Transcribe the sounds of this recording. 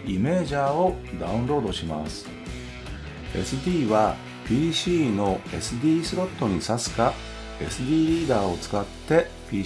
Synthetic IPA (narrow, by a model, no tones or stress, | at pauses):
ime̞ːʑaːo̞d̪aɯ̟̃nɾo̞ːd̪o̞ɕima̰sɨ̥ | e̞sɨd̪ʲiːβa | pʲiːɕiːno̞e̞sɨd̪ʲiːsɨɾo̞t̪ːo̞ɲ̟isasɨ̥ka | e̞̰sɨd̪ʲiːɾʲiːd̪aːo̞t͡sɨ̥kat̪ːe̞ | pʲiː